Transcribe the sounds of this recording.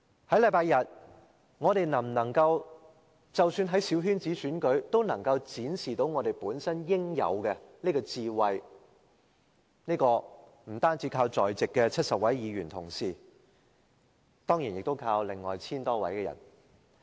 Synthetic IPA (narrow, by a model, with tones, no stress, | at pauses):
hɐ˨˥jlɐ˨˧jpaː˧jɐ˨t̚ | ŋɔː˨˧ɾe˨jnɐ˨˩mnɐ˨˩ŋkɐ˧w | t͡sɐ˨wsyː˧nɦɐ˨˥jsiː˨˥wɦyː˥nt͡siː˨˥syː˨˥nkɵ˨˥ɥt̪o˥wnɐ˨˩ŋkɐ˧wt͡siː˨˥nsiː˨˩t̪o˨˥wŋɔː˨˧t̪e˨˩jpuː˨˥nsɐ˥njɪ˥ŋjɐ̰˨˧wkɛ˧niː˥kɔː˧t͡siː˧wɐ˨j | niː˥kɔː˧ | m̩˨˩t̪aː˥nt͡siː˨˥kʰaː˧wt͡sɔː˨jt͡sɪ˨kːɛ˧t͡sʰɐ˥t̚sɐ˨p̚wɐ˨˥jjiː˨˧jyː˨˩nt̪ʰʊ̰˨˩ŋsiː˨ | t̪ɔː˥ŋji˨˩njɪ˨k̚t̪o˥wkʰaː˧wlɪ˨˩ŋːɔ̰ː˨jt͡sʰiː˥nt̪ɔː˥wɐ̰˨˥jkɛː˧jɐ̰˨˩n